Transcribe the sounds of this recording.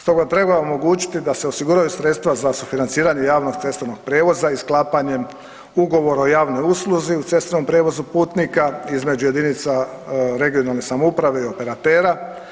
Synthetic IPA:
st̪o̞ɡat̪ɾe̞bao̞mo̞ɡuːt͡ʃi̥t̪id̪aseo̞siɡuɾajusɾe̞t̪st̪ʋazasufinant̪siːɾaɲe̞jaːʋno̞ɡt̪se̞st̪ɾeno̞ɡ̥̚pɾeːʋo̞zaisklˠaːpaɲe̞m | uɡo̞ʋo̞ɾaojaːʋno̞juslˠuziut̪se̞st̪ɾeno̞mpɾeʋo̞zupuːt̪nikaizme̞d͡ʑuje̞d̪init̪sa | ɾe̞ɡijo̞nalˠne̞samoupɾaʋe̞io̞pe̞ɾat̪e̞ːɾa

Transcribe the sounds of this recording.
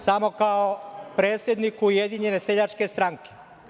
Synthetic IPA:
samo̞kaopɾeːt̪sje̞d̪nikujed̪iɲeneseʎat͡ʃke̞st̪ɾaŋke

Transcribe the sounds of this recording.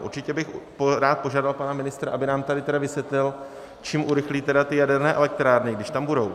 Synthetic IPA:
ʔṵɾt͡ʃɪcɛbɪxpɾaːt̪̚po̞ʒaːdalpanamɪnɪst̪ɾaʔabɪnaːmt̪adɪt̪ɛdavɪsjɛt̪lɪl | t͡ʃiːmʔuɾɪxliːt̪ɛdat̪ɪjadɛɾnɛːʔɛ̰lɛk̚t̪ɾaːɾnɪɡdɪʃt̪ambudo̞w

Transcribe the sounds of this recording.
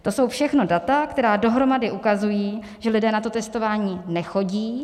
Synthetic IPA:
t̪o̞so̞wfʃɛxno̞dat̪akt̪ɛɾaːdo̞ɦɾo̞madɪʔukazujiː | ʒɛlɪdɛːnat̪o̞t̪ɛst̪o̞vaːɲiːnɛxo̞ɟiː

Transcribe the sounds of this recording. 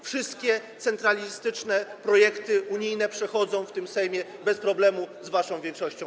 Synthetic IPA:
fʂɘst̪̚kʲɛt̪sɛnt̪ɾalʲist̪ɘt͡ʂnɛpɾɔjɛkt̪ɘuɲijnɛpʂɛxɔd̪zɔ̃w̃ft̪ɘmsɛjmʲjɛbɛspɾɔblɛmuzvaʂɔ̃w̃vʲjɛŋkʂɔɕt͡ɕɔ̃w̃

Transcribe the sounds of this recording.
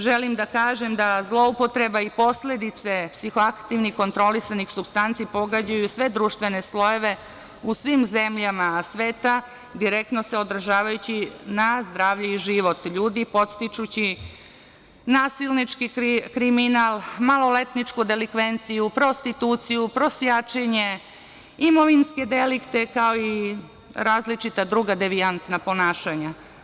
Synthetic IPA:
ʒelimd̪akaːʒe̞md̪azlˠo̞upo̞t̪ɾe̞baipo̞sle̞d̪it̪se̞psixoakt̪iʋniko̞nt̪ɾo̞lisanixsubst̪ant̪sipo̞ɡad͡ʑajusʋe̞d̪ɾuːʃt̪ʋe̞ne̞slo̞je̞ʋe̞ | usʋimzemʎamasʋe̞ːt̪a | d̪iɾek̚t̪no̞seo̞d̪r̩ʒaːʋajut͡ɕinazd̪ɾaːʋʎuiʒiʋo̞t̪ʎuːd̪ipo̞t̪st̪it͡ʃut͡ɕi | naːsilnit͡ʃkikkɾiminalˠmalo̞le̞t̪nit͡ʃkud̪elikʋe̞nt̪sijupɾo̞st̪it̪uːt̪sijupɾo̞sjat͡ʃeɲe̞ | imo̞ʋinske̞d̪elikt̪e̞kaoi | ɾaːzlit͡ʃit̪ad̪ɾuːɡad̪eʋiant̪napo̞naːʃaɲa

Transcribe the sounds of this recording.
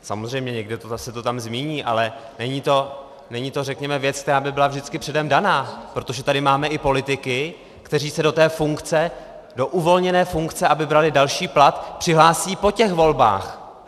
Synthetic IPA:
sa̰mo̞zrɛjmɲɛɲɛɡdɪt̪oasɛt̪o̞t̪amzmiːɲiːʔalɛnɛɲiːt̪o̞ | nɛɲiːt̪o̞rɛkɲɛmɛvjɛt͡skt̪ɛɾaːbɪbɪlavʒdɪt͡skɪpr̥ɛdɛmdanaːpɾo̞t̪o̞ʒɛt̪adɪmaːmɛʔɪpo̞lɪt̪ɪkɪ | kt̪ɛriːsɛdo̞t̪ɛːfuŋkt͡sɛ | do̞ʔuvo̞lɲɛnɛːfuŋkt͡sɛʔabɪbɾalɪdalʃiːplat̪pr̥ɪɦlaːsiːpo̞cɛxvo̞lba̰ːx

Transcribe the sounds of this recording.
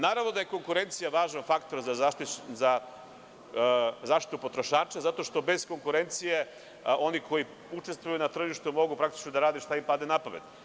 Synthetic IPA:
naːɾavno̞d̪aje̞ko̞ŋkuɾe̞nt̪sijaʋaːʒnafakt̪o̞ɾzaza | zaːʃt̪i̥t̪upo̞t̪ɾoʃaːt͡ʃazat̪o̞ʃt̪o̞be̞z̥ko̞ŋkuɾe̞nt̪sije̞ | o̞nikʰo̞ji | ut͡ʃe̞st̪ʋujunat̪r̩ʒiʃt̪umo̞ɡupɾak̚t̪i̥t͡ʃnod̪aɾaːd̪eʃt̪aimpad̪enapaʋed̪

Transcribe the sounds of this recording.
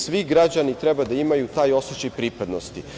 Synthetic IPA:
sʋiɡɾad͡ʑanit̪ɾɛbad̪aimajut̪aːjo̞sot͡ɕajpɾipad̪nost̪i

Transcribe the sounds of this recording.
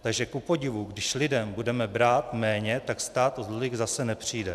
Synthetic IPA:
t̪aɡʒɛkupo̞ɟɪvuɡdɪʃlɪdɛmbudɛmɛbɾaːt̪mɛːɲɛt̪akst̪aːt̪ozlolɪɣzasɛnɛpr̝̥iːdɛ

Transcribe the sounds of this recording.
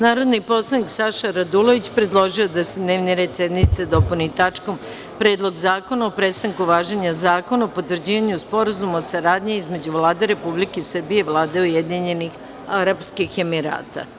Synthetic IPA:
naːɾo̞d̪nipo̞slˠaniksaʃaɾad̪ulo̞ʋit͡ɕpɾe̞d̪lˠo̞ʒio̞d̪ase̞d̪ne̞ːʋniɾe̞d̪sje̞d̪nit̪sed̪o̞punit̪at͡ʂko̞m | pɾe̞ːd̪lˠo̞ɡzaːko̞naopɾe̞st̪aŋkuʋaːʒeɲazaːko̞naopo̞t̪ʋrd͡ʑiːʋaɲuspo̞ɾazumaosaɾaːd̪ɲiizme̞d͡ʑuʋlaːd̪e̞ɾe̞publike̞isr̩bijeiʋlˠaːd̪eujed̪iɲe̞nix | aɾapskixe̞miɾa̰ːt̪a̰

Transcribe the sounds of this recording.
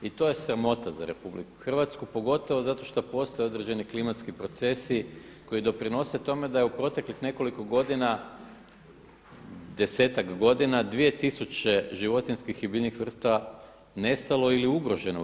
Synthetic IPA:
it̪o̞je̞sɾamo̞t̪aza̰ɾe̞publḭku̥xr̩ʋat̪skupo̞ɡo̞t̪o̞ʋozat̪o̞ʃt̪opo̞st̪ojeo̞d̪ɾed͡ʑe̞niklimat̪skipɾo̞t̪se̞siko̞jid̪o̞pɾino̞se̞t̪o̞me̞d̪ajeupɾo̞t̪e̞klixne̞ko̞liko̞ɡo̞d̪ina | d̪e̞se̞ːt̪akɡo̞d̪inad̪ʋije̞t̪isut͡ɕe̞ʒiʋo̞t̪inʲskixibiːʎnixʋr̩st̪aa | ne̞st̪alo̞iliuɡɾo̞ʒe̞no̰

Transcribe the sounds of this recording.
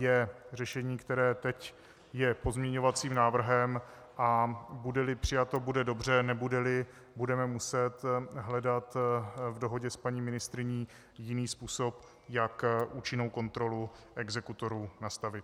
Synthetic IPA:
jɛrɛʃɛɲiːkt̪ɛɾɛːt̪ɛc | jɛpo̞zmɲɛɲo̞vat͡siːmnaːvr̩ɦɛm | ʔabudɛlɪpr̝̥ɪjat̪o̞budɛdo̞brɛnɛbudɛlɪ | budɛmɛmusɛt̪ɦlɛdat̪vdo̞ɦo̞ɟɛspaɲiːmɪnɪst̪ɾɪɲiː | jɪniːspuːso̞p | jakʔuːt͡ʃɪno̞wko̞nt̪ɾo̞lu | ʔɛɡzɛkut̪o̞ɾuːnast̪avɪt̪

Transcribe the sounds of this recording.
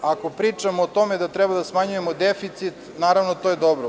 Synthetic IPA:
ako̞pɾiːt͡ʂamoːt̪o̞med̪at̪ɾɛbad̪asmaɲuje̞mod̪efit̪sit̪ | naːɾaʋnot̪ojed̪obɾo

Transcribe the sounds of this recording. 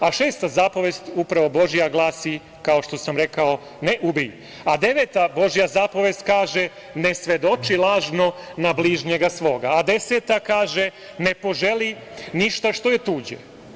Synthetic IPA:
aʃeːst̪azapoʋeːst̪upɾaʋo̞bo̞ʒijaɡlˠaːsi | kaoʃt̪o̞samɾe̞kao̞ | neʔubij | ad̪e̞ʋeːt̪abo̞ʒijazapo̞ʋest̪kaːʒe | ne̞sʋe̞d̪o̞t͡ʃilˠaːʒno̞nabliːʒɲeɡasʋo̞ːɡaːd̪e̞seːt̪akaːʒe | ne̞po̞ʒeli | niʃt̪aʃt̪o̞je̞t̪uːd͡ʑḛ

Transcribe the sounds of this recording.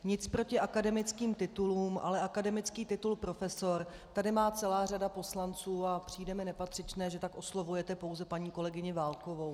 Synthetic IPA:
ɲɪt͡spɾo̞cɪʔakadɛmɪt͡skiːmt̪ɪt̪uluːmʔa̰lɛʔakadɛmɪt͡skiːt̪ɪt̪ulpɾo̞fɛso̞ɾ | t̪adɪmaːt͡sɛlaːr̝adapo̞slant͡suːapr̝̥iːjdɛmɪnɛpat̪r̥ɪt͡ʃnɛːʒɛt̪akʔo̞slovujɛt̪ɛpo̞wzɛpaɲiːko̞lɛɡɪɲɪvaːlko̞vo̞w

